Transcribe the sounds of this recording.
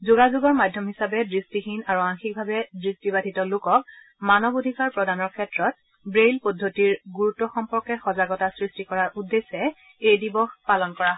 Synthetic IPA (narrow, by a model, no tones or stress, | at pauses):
zuɡazuɡɔɹmadʱjɔmɦisabɛdɹistixinaɹuaŋxik̚bʱabɛdɹistibadʱitɔlokɔk̚ | manɔbodʱikaɹpɹɔdanɔɹkʰɛtɹɔt̚ | bɹejlpodʱːotiɹɡuɹutːɔxɔmpɔɹkɛxɔzaɡɔtasɹistikɔɹaɹʔudːesɛ | ejdibɔxpalɔnkɔɹaɦɔ